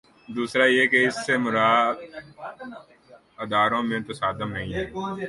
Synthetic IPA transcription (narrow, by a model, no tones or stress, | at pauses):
d̪uːsɾajekeɪsːemʊɾaː | ɐd̪aːɾõmẽt̪ɐsaːd̪əmnɐɦĩɦɛː